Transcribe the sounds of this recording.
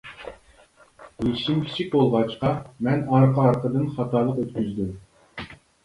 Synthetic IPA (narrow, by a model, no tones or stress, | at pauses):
ɡiʃimkʲʰi̥t͡ʃʰik̚ʲbolˠʁɑt͡ʃqɑmɛnɑɾqɑɑɾqəd̪ɨnχɑt̪ɑlˠəqøt̪̚kʲyzd̪ym